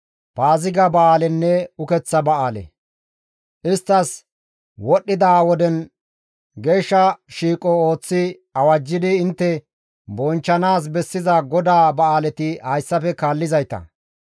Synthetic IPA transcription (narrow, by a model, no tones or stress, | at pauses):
paːzɪɡɐbɐʔaːlɛnːɛʊkɛt͡sːɐbɐaːlɛ̰ | ʔɪst̪ːɐs | wɔɗːɪd̪awɔd̪ɛn | ɡe̞ːʃːɐʃiːkʼɔoːt͡sːɪ | ɐwɐd͡ʒːɪd̪ɪːnt̪ːɛ | bɔnt͡ʃːɐnaːs̬bɛsːɪzɐɡɔd̪aːbɐaːlɛt̪ɪhɐjsːɐfɛkaːlːɪzɐjt̪ɐ̰